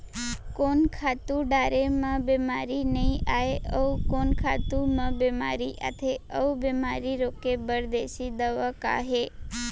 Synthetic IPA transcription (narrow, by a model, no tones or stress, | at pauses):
konkʰat̪ũɖaɾemãbemaɾinəĩʔaeəukonkʰat̪umə̃bema̰ɾiʔa̰t̪ʰeəubemaɾiɾokebəɾd̪eʃid̪əʋəka̰ɦe